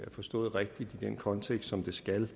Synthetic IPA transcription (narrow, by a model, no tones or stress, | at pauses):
æfɒ̽sd̥ɔ̰̽ːð̞̩ˠʁeɡ̥̚d̥id̥id̥enkʰɒ̽nt͡sʰeɡ̥sd̥sɒ̽md̥e̝sɡ̥æl